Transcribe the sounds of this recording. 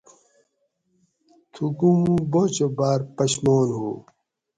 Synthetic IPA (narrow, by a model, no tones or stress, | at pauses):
t̪ʰuɡumbot͡ɕobaːɾpɐɕmoːnɦṵː